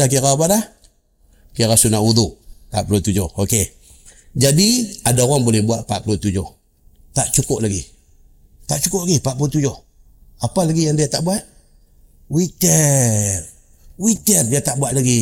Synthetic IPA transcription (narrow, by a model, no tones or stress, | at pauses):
ak̬ikapaɾa | kikasunaud̪uʔtaʔplot̪ud͡ʒooke | d͡ʒadiadakɔnbolɛhbuaʔpaʔplot̪ud͡ʒo | t̪aʔt͡ʃukoʔlaɡi | t̪aʔt͡ʃukʊʔlaɡipaʔpot̪ud͡ʒo | apalaɡijandijataʔbuaʔ | witɛ | witɛrjataʔbuaʔlaɡi